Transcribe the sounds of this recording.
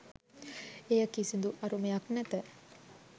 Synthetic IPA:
ejəkisind̪uʔɐɾumejaknæt̪ə

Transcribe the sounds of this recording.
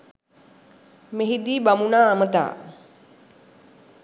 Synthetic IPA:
meɦid̪iːbamunaːmət̪a̰ː

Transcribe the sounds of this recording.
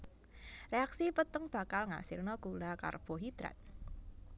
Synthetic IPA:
reaksipət̪əŋb̥a̤kalŋa̰sɪrnɔkulaka̰rb̥ɔɦid̪̥ɾa̰t̪̚

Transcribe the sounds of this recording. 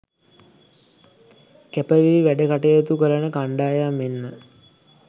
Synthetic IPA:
kepəʋiiʋæɖəkaʈejət̪ukələnəkaɳɖaːjamːenːə

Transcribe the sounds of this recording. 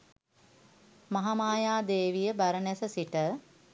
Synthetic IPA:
maɦamaːjaːd̪eːʋijəbaɾənɛsəsiʈə

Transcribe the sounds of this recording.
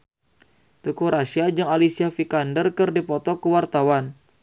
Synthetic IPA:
t̪əkuɾʔasiad͡ʒɨŋalisiafikandərkɨrdipɔt̪ɔkəwart̪awan

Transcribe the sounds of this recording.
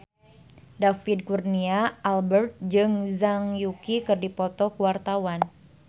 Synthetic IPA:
dafid̚kurniaʔalbərt̪̚d͡ʒɨŋzaŋjukikɨrdipɔt̪ɔkuwart̪awan

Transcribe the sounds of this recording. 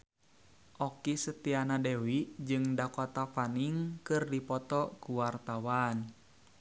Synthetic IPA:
ʔɔkisət̪ianadɛwiʔd͡ʒɨŋdakɔt̪afaniŋkɨrdipɔt̪ɔkuwart̪awan

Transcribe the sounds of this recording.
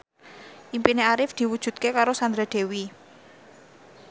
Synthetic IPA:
ʔimpineaɾɪfd̪̥i̤wud̥ʒ̥ṳt̪̚kekaɾosand̪ɾad̪̥e̤wi

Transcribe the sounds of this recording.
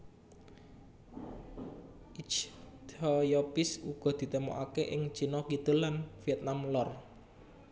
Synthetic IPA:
ʔit͡ʃd̪ɔjɔpɪsuɡ̥ɔ̤d̪̥i̤t̪emɔ̰ʔakeʔɪŋt͡ʃinɔkit̪əlanfiɛt̪̚namlɔr

